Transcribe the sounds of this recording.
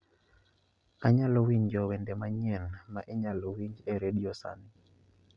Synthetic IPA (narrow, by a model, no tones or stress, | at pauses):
aɲalɔwiɲd͡ʒɔwɛndɛmaɲɛlmaʔɛɲalɔwiɲd͡ʒɛɾedijɔsa̰nɪ